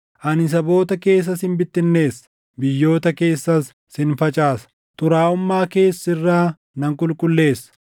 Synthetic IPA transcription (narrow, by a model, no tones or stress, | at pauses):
ʔɐnɪs̬ɐbo̞ːt̪ɐke̞ːs̬ːɐsɪnbɪt̪ːɪnːe̞ːsː | bɪjːo̞ːt̪ɐke̞ːsːɐsː | ɪnfɐt͡ʃʼaːsɐ̥ | t̪ʊɾaːʊmːaːke̞ːsːɪrːaː | nɐŋkʼʊlkʼʊlːe̞ːsːɐ̥